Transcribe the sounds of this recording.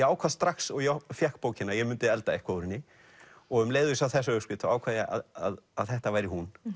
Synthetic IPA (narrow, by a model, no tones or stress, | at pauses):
ɛaːwkʰvaðst̪ɾaksɔɣjafjahkpoːwcɪnajɛmʏnt̪ɪɛlt̪aɛhkaoːwɾɪnːɪ | ɔɣʏmleːjðʏisawθɛsːaʏspɪt̪a̰aːwkʰaːðɪa̰ðaðaðθɛht̪avaːjɾɪhun